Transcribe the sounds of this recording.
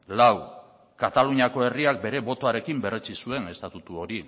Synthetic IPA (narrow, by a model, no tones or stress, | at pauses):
law | kat̪aluɲako̞e̞riak̚be̞ɾe̞bo̞t̪o̞aɾe̞kimbe̞re̞t͡sisue̞ne̞st̪at̪ut̪uo̞ɾi